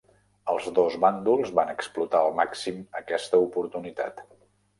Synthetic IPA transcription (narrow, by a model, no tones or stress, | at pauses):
əlˠzðozβand̪ulˠzβanəksplut̪aəlˠmaksiməkɛst̪əupuɾt̪unit̪a̰t̪